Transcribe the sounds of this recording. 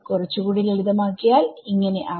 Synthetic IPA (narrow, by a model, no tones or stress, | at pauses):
kurɐt͡ɕːukuːɽileɻiðɐmaːkːijaːliŋːɐne̞ʔɐ